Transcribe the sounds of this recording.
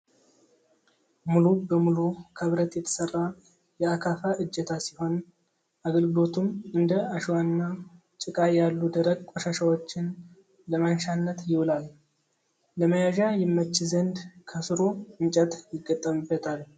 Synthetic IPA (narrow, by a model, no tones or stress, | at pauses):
mulubəmulukʰəβɾət̪jɛt̪ʰə̥sərːa | jɛakʰafaʔɨd͡ʒːɛt̪ʰasiho̞n | ʔaɡəlɡɨlo̞t̪ʰumɨnd̪əaʃwanːa | t͡ʃʼɪkʼajalːud̪əɾəɡkʷʼoʃaʃawot͡ʃːɪn | ləmanʃanːət̪jɪwlal | ləməjaʒajɛmːət͡ʃːɪzənd̪kʰəsɨɾo̞ɨɲt͡ʃʼət̪jɪɡːət̪ʼːəmbːət̪ʰal